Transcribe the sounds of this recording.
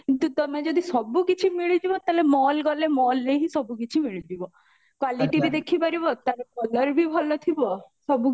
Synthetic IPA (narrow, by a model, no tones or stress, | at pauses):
kint̪ut̪ɔmed͡ʒɔd̪isɔbukit͡ʃʰimiɭid̪ibɔt̪alemɔlɡɔlemɔlːeɦisɔbukit͡ʃʰimiɭid̪ibɔ | kwaliʈiɾid̪ekʰibaɾibɔt̪aɾepɔlɔɾbʱibʱɔlɔt̪ʰibɔsɔbu